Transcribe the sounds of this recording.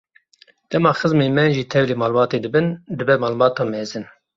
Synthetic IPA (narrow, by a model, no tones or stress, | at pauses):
d̪̥ɛmɑːxɨzmeːmɛnʒiːt̪ʰɛvleːmɑːlbɑːt̪ed̪ɨbɨnd̪ɨbɛmɑːlbɑːt̪ɑːmɛːzɨn